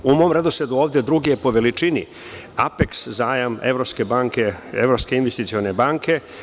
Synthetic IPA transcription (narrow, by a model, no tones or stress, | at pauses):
umo̞ːmɾe̞d̪osed̪uoːʋd̪jed̪ɾuɡijepo̞ʋe̞lit͡ʂinḭ | apekszaːjamḛʋɾo̞pske̞baːŋkeḛʋɾopskeinʋest̪it̪sio̞ne̞baːŋke̞